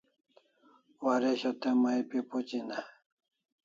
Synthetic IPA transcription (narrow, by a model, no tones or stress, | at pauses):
waɾeɕot̪emajpiput͡ɕina